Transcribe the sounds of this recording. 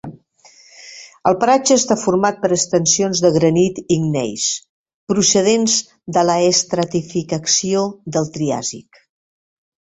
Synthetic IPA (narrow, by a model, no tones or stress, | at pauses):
əlˠpəɾad͡ʒəːst̪afurmat̪̚pəɾəkst̪ənsionzðəɣɾənit̪iŋnɛ̰js | pɾusəð̞enz | d̪ələːst̪ɾət̪ifikəksioðəlˠt̪ɾia̰zḭk